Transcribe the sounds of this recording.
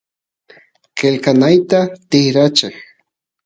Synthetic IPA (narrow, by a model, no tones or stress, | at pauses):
kelkanajt̪at̪ɪhɾat͡ʃaj